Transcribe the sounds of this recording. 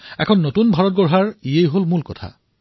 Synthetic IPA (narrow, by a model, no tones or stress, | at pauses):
ɛ̰kʰɔnːotunbʱaɹɔt̚ɡɔɹɦaɹijejɦolmulkɔtʰa̰